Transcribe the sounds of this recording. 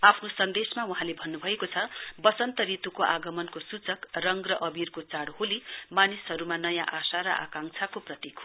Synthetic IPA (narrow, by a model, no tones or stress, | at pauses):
apʰnosʌnd̪esmauɦãlebʱʌnːubʱʌekot͡sʰʌbʌt͡sʌnt̪ʌɾit̪ukoʔaɡʌmʌnkosut͡sʌkrʌŋɡrʌʔʌbirkot͡saɽholimanisɦʌɾumanʌjãʔasaɾʌʔa̰kaŋt͡sʰakoprʌt̪ikʰ